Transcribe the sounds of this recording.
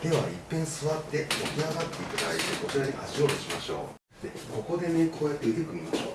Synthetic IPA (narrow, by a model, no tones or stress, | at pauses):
d̪̥e̞βa̰ipːẽ̞ɰ̃sɨβat̪ːe̞mo̞kʲiaɡat̪ːe̞ik̪ɯt̪a̰id̪eko̞t͡ɕiɾaɲ̟iha̰ʑio̞ːt̪eɕimaɕo̞̰ː | d̪eko̞ko̞d̪e̞ne̞kʰo̞ːjat̪ːe̞it̪ekɯ̟ɲʲimaɕo̞ː